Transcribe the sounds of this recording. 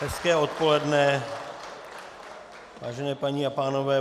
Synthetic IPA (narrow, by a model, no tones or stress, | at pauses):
ɦɛskɛːo̞t̪̚po̞lɛdnɛ | vaːʒɛnɛːpaɲiapaːno̞vɛː